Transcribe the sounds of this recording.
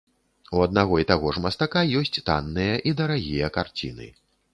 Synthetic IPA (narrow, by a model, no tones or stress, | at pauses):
uɐd̪naɣɔit̪aɣɔʐmɐst̪akajɔsʲt͡sʲt̪a̰nːɨjɐʔid̪ɐɾaɣʲijɐkart͡sʲḭnɨ̰